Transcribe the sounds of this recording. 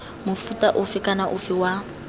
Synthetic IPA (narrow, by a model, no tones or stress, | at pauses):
mʊfutʼaʔʊfɪkʼanaʔʊfɪwa